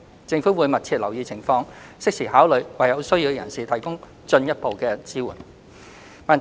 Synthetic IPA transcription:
t͡sɪ˧ŋfuː˨˥wuː˨˧jmɐ˨t̚t͡sʰiː˧t̚lɐ˨˩wjiː˨˧t͡sʰɪ˨˩ŋfɔː˧ŋsɪ˥k̚siː˨˩haː˨˥wlɵ˨˩ɥwɐ˨jɐ˨˧wsɵ˥ji˧wkɛ˧jɐ̰˨˩nsiː˨t̪ʰɐ˨˩jkʊ˥ŋ | t͡ʃɵ˧njɐ˥t̚po˨wkɛː˧t͡siː˥wṵː˨˩n | maː˨n

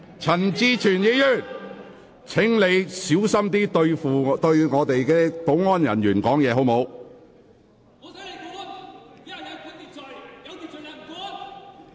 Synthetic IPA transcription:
t͡sʰɐ˨˩nt͡siː˧t͡ʃʰyː˨˩njiː˨˥jyː˨˩n | t͡sʰɪ˨˥ŋle˨˧jsiː˨˥wsɐ˥mt̪̬iː˥t̪ɵ˧ɥfuː˨t̪ɵ˧ɥŋɔː˨˧t̪e˨jkɛː˧po˨˥wŋɔː˥njɐ̰˨˩nɥyː˨˩nkɔː˨˥ŋjɛː˨˧ɦo˨˥wmo˨˧w

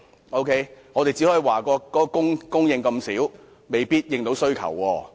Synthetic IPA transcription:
o˥wkʰe˥jŋɔː˨˧ɾe˨jt͡si˨˥hɔː˧˥i˨˩waː˨˩kɔː˧kɔː˨˥kɔː˧kʊ˥ŋkʊ˥ŋjɪ˨˧ŋkɐ˧msiː˨˥w | me˨˩jpiː˥t̚jɪ˨ŋt̪o˨˥wsɵ˥ɥkʰɐ̰˨˩wːɔː˧

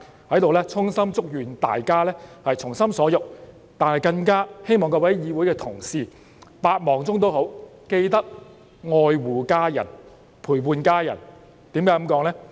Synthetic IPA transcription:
hɐ˨˥jt̪o˨wlɛː˥t͡sʰʊ˥ŋsɐ˥mt͡sʊ˥k̚jyː˨˩nt̪a̰ː˨jkaː˥lɛː˥hɐ˨jt͡sʰʊ˨˩ŋsɐ˥msɔː˨˥jʊ˨k̚ | t̪aː˨nhɐ˨˩jkɐ˧ŋkaː˥he˥jmɔː˨ŋkɔː˧wɐ˨˥jjiː˨˧wuː˨˥jkɛː˧t̪ʰʊ˨˩ŋsiː˨˧ | paː˧t̚mɔː˨˩ŋt͡sʊ˥ŋt̪̬o˥who˨˥wke˧jt̪ɐ˥k̚ | ŋɔː˧jwuː˨kaː˥jɐ˨˩n | pʰuː˨˩jpuː˨˧nkaː˥jɐ̰˨˩n | t̪iː˨˥mkaː˨˦˥kɐ˨˥mkɔː˨˥ŋlɛː˥

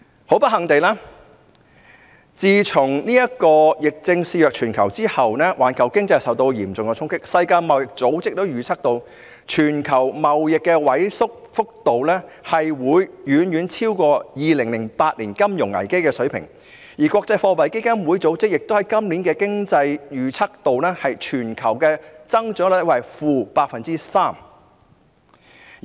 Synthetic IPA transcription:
ho˨˥wpɐ˥t̚hɐ˨˩ŋt̪e˨jlaː˥ | t͡siː˨˧t͡sʰʊ˨˩ŋniː˥jɐ˥kɔː˧jɪ˨k̚t͡sɪ˧ŋsiː˧jœː˨k̚t͡ʃʰyː˨˩nkʰɐ˨˩wt͡siː˥hɐ˨wnɛː˥wʔa̰ː˨˩nkʰɐ˨˩wkɪ˥ŋt͡sɐ˧jsɐ˨wt̪o˧wjiː˨˩mt͡sʊ˨ŋkt͡sʰʊ˥ŋkɪ˥k̚sɐ˧jkaː˧jmɐ˨wjɪ˨k̚t͡so˨˥wt͡sɪ˥k̚t̪o˥wjyː˨t͡sʰɐ˥k̚t̪o˧w | t͡ʃʰyː˨˩nkʰɐ˨˩wmɐ˨wjɪ˨kːɛ˧wɐ˨˥jsʊ˥k̚fʊ˥k̚t̪o˨wlɛː˥hɐ˨jwuː˨˧jjyː˨˥njyː˨˥nt͡sʰiː˥wkɔː˧jiː˨lɪ˨˩ŋlɪ˨˩ŋpaː˧t̚liː˨˩nkɐ˥mjʊ˨˩ŋɐ̰˨˩jke˥jkɛː˧sɵ˨˥ɥpʰɪ̰˨˩ŋ | jiː˨˩kʷwɔː˧k̚t͡sɐ˧jfɔː˧pɐ˨˩jke˥jkɐ˥nwuː˨˧˥jt͡so˨˥wt͡sɪ˥k̚jɪ˨k̚t̪o˥whɐ˨˥jkɐ˥mliː˨˥nkɛː˧kɪ˥ŋt͡sɐ˧jjyː˨˧t͡sʰɐ˥k̚t̪o˨wnɛː˥hɐ˨jt͡ʃʰyː˨˩nkʰɐ˨˩wkɛː˧t͡sɐ˥ŋt͡ʃœː˨˥l̚wɐ˨˧jfuː˨˧paː˧k̚fɐ˨nt͡siː˥saː˥m

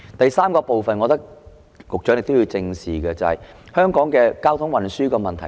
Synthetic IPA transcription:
t̪ɐ˨jsaː˥mkɔː˧po˨wfɐ˨nŋɔː˨˧t̪ɐ˥k̚ | kʊ˨k̚t͡ʃœː˨˥ŋne˨˩t̪ji˧wt͡sɪ˧ŋsiː˨˩kɛː˧t͡sɐ˨˩hɐ̰˨j | hœː˥ŋkɔː˨˥ŋkɛː˧kaː˥wt̪ʰʊ˨˥ŋwɐ˨nsyː˥kɔː˧mɐ˨nt̪ʰɐ˨˩

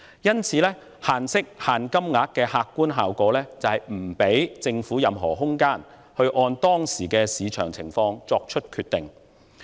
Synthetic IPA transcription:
jɐ˥nt͡sʰiː˨˥lɛː˥ | haː˨˩nsɪ˥k̚haː˨nkɐ˥mŋaː˨˥t̚kɛː˧haː˧kːuː˥nɦaː˨wkɔː˨˥lɛː˥t͡sɐ˨hɐ˨jm̩˨˩pe˨˥jt͡sɪ˧ŋfuː˨˥jɐ˨mɦɔ̰ː˨˩ɦʊ˥ŋkaː˥n | hɵ˧ɥʔɔː˧nt̪ɔː˥ŋsiː˨˩kɛː˧siː˨˧t͡ʃʰœː˨˩ŋt͡sʰɪ˨˩ŋfɔː˧ŋt͡sɔː˧k̚t͡ʃʰɵ˥t̚kʰyː˧t̪ɪ˨ŋ

